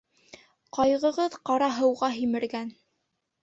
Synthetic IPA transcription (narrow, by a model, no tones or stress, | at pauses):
qɑjʁɤ̆ʁɤðqɑɾɑɦɤ̆wʁɑɦimɘ̆ɾɡæn